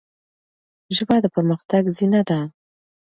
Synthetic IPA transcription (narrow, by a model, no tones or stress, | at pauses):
ʒbɑd̪əpəɾməxt̪aɡzinad̪a